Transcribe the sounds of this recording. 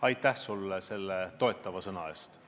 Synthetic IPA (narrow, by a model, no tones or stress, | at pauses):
ɑjt̪ːˑæhsulːse̞lːet̪o̞et̪ˑːɑvɑsɤnɑe̞ːst̪